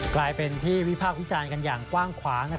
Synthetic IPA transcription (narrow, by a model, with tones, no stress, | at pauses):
klaː˧jpe˧nt̪ʰiː˥˩wi˦˥pʰaː˥˩k̚wi˦˥t͡ɕaː˧nka˧njaː˨˩ŋkwaː˥˩ŋkʰwaː˩˦ŋna˥